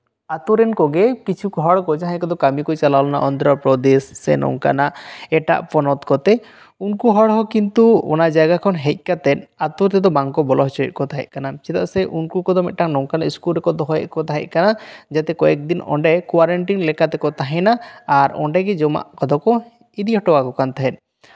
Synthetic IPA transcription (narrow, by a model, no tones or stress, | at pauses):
at̪uɾɛnkɔɡɛkit͡ʃʰukɔɦɔɽkɔd͡ʒaɦãkɔd̪ɔkamikɔjt͡ʃalalɔna̰ʔɔnd̪ɾapɾɔd̪ɛsːɛ̰nɔ̰ŋka̰naʔɛʈa̰ʔpɔnɔt̪kɔt̪ɛ | unkuɦɔɽɦɔkint̪uɔ̰nad͡ʒaɡakʰɔnɦɛc̚ˀkat̪ɛnat̪ɔɾt̪ɛd̪ɔbaŋkɔbɔlɔɦt͡ʃɔɛ̰ʔ̪̚kɔt̪aɦɛ̰ʔ̚kanasɛt̪a̰ʔsɛʔunkukɔd̪ɔmɛʔ̪̚ʈaŋnɔŋkanaʔiskulɾɛkɔɾd̪ɔɦɔjɛ̰ʔkɔt̪aɦɛ̰ʔ̚ˀkanad͡ʒat̪ɛkɔɛk̚d̪inɔ̰ɳɖɛkwaɾɛɳʈinlɛkat̪ɛkɔt̪aɦɛ̃naːɾɔ̰ɳɖɛɡɛd͡ʒɔma̰ʔkɔd̪ɔkɔ | id̪iɦɔʈɔwakɔkant̪ʰaɦɛn